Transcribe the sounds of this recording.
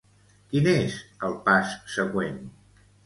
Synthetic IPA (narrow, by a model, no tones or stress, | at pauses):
kinezəlˠpasːəɣwen